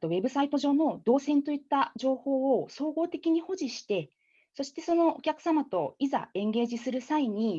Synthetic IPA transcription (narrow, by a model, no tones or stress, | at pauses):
t̪oβe̞bɯ̟sait̪o̞ʑo̞ːno̞d̪o̞ːsẽ̞nt̪o̞it̪ːad͡ʑo̞ːho̞ːoso̞ːɡo̞ːt̪e̞kʲiɲ̟iho̞ʑiɕi̥t̪e̞ | so̞ɕi̥t̪e̞so̞no̞okʲakɯ̟̥samat̪o̞iza̰ẽ̞ŋɡe̞ːʑisɨɾɯ̟saiɲ̟i